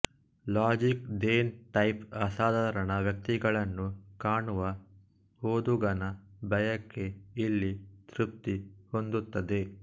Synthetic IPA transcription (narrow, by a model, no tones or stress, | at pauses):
laːd͡ʒikɖ̪eːnʈɐjpɐsaːd̪ʱaːɾɐɳɐʋjɐk̚t̪iɡɐɭɐnːukaːɳuʋɐ | hoːd̪uɡɐnɐbɐjɐkːe̞ilːit̪ɾup̚t̪iho̞nd̪ut̪ːɐd̪e̞